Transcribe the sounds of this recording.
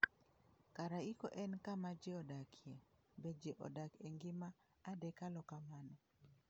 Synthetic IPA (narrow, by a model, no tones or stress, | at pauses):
kaɾaiko̰ʔɛnkamad͡ʒeɔdakʰje | bed͡ʒeʔɔ̰dakeŋɡɪmaː | dɛkalɔkamanɔ